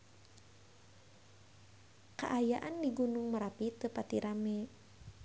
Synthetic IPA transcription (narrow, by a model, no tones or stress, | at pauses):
ka̰ʔajaʔandiɡunuŋməɾapit̪əpat̪iɾamɛ